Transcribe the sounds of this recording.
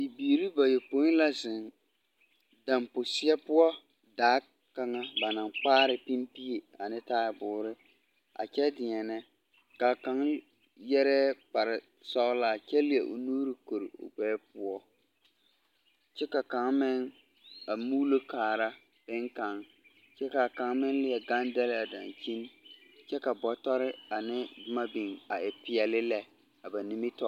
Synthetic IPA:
i˨biː˨ɾi˦ba˨jo˨po˨˦la˦zɪ˨n | da˨mpʊ˨sɪ˦ɛ˦pʊ˦ɔ˦ | daː˨˦ | ka˦ŋa˦ba˨na˨ŋk͡paː˦ɾɪ˨pi˦mpi˦e˨a˨nɪ˦taː˦ɪ˨bʊː˨ɾɪ˦ | a̰˨t͡ʃɛ˦dɪ˨ɲɛ˨nɛ˦ | ka˨ka˦ŋ | jɛ˦ɾɛ˦k͡pa˨ɾɪ˨ | sɔ˦ɣla˦˨t͡ʃɛ˦lɪ˦˨ɛ˨ʔo̰˨nuː˦ɾɪ˨ko˨ɾɪ̰˨ʊ̰˨ɡ͡bɛː˨˦pʊ˦ɔ˦ | t͡ʃɛ˦ka˨ka˨˦ŋmɪ˦ŋ | a˨muː˦lo˦kaː˨ɾa˦ | b̥ɪ˦ŋka˨ŋ | t͡ʃɛ˦ka˨ka˨˦ŋmɪ˦ŋlɪ˦ɛ˨ɡa˦ndɛ˦lɪ˦a˨da̰˨nt͡ʃi˦n˦t͡ʃɛ˦ka˨bɔ˨tɔ˦ɾɪ˦a˨nɪ˦dʊ˦ma˦bi˨ŋa˨ɪ˨pɪ˨ɛ˨lɪ˦lɛ˦ | a˨ba˨ni˦mi˦tɔ˦

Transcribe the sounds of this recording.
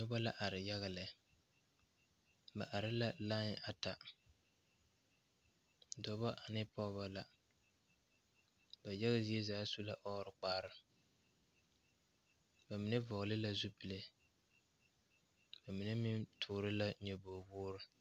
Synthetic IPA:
dɔ˦ba˦la˦ʔa˨ɾɪ˨ja˦ɣa˨lɪ˨ | ba̰˨ʔa˨ɾɪ˦la˦la˦n˦a˨ta˨ | dɔ˨ba˦ʔa˨nɪ˦pɔ˦ba˦la˨ | ba˨ja˦ɣa˦zi˦ɛ˦zaː˨˦su˦la˦ʔɔ˦ɾɨ˨k͡paː˦ɾɪ˦ | ba˨mi˨nɛ˦vɔ˨ɣlɪ˦la˦zu˦pi˨le˦ | ba˨mi˨nɛ˦mi˦mtʰʊː˨ɾɨ˦la˦ɲɛ˨boː˨bʊː˦ɾɨ˦

